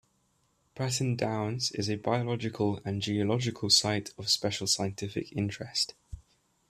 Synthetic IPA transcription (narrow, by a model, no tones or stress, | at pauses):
b̥ɹatə̃ndãʊ̃nsɪ̰zəbaɪəlɒd͡ʒɪkʰələ̃nd͡ʒiəlɒd͡ʒɪkʰəlˠsaɪtʰəv̥spɛʃəlˠsaɪə̃ntʰɪfɪ̰kʰɪ̰̃nt͡ʃɹ̥ɛst